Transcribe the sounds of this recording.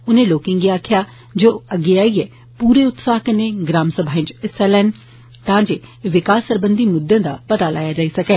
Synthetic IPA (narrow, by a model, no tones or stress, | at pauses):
ʊnẽːloːkɪ̃ŋɡiːaːkʰɪjaː | d͡ʒoːəɡːeːaːiːɛː | puːɾeːʊt̪saːɦkəneːɡɾaːmsəbʱaːɪ̃ɲd͡ʒɪsɛːlɛːn | t̪ãːd͡ʒeːʋɪkaːsːəɾbənd̪iːmʊd̪ːãːd̪aːpət̪aːla̰ːjaːd͡ʒaːiːsəkɛː